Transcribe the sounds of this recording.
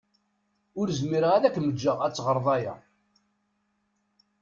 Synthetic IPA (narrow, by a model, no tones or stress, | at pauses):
ʊɾzmiɾəʁæðækːməd͡ʒːəʁæt͡sːʁəɾˤðˤɑjæ̰